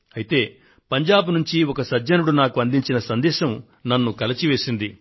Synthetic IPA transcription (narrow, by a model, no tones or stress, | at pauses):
ɐjit̪e̞ː | pɐɲd͡ʒaːbunuɲt͡ʃiɔkɐsɐd͡ʒːɐnuɽunaːkuɐnd̪iɲt͡ʃinɐsɐnd̪ɛːʃɐm | nɐnːukɐlɐt͡ʃiʋe̞ːsind̪i